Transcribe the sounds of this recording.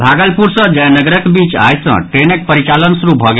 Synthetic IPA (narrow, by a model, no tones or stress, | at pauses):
bʱaɡəlpuɾsə̃d͡ʒajnəɡɾəkbit͡ʃa̰jsə̰̃ʈɾenək̚pəɾit͡ʃalənsɾubʱɔɡe